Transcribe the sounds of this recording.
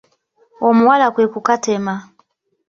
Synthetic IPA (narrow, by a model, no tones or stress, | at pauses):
ɔmuwalakwekukatɛma